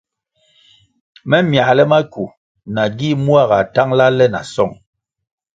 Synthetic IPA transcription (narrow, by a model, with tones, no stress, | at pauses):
mɛ˦mja˨lɛ˦ma˦ku˨ | na˨ɡi˦mu˦a˦˨ɣa˨ta˦ŋla˦lɛ˦na̰˨sɔ˦˨ŋ